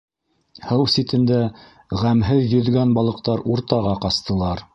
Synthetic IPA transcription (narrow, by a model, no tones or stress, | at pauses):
hɤwsit̪ɘ̆nd̪æ | ʁæmɦɘðjɵ̆ðɡænbɑlˠɤ̆q̚t̪ɑɾuɾt̪ɑʁɑqɑst̪ɤ̆lˠɑɾ